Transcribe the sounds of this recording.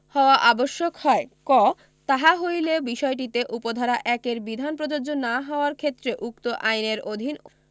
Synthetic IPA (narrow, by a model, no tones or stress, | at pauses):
hɔoaʔaboʃːokhɔekɔ | t̪aɦaɦojlebiʃɔeʈ̬it̪eʔupod̪ʱaɾaʔɛkeɾbid̪ʱanpɾod͡ʑoɾd͡ʑonaɦɔoaɾkʰet̪ːɾeʔukt̪oʔajneɾod̪ʱin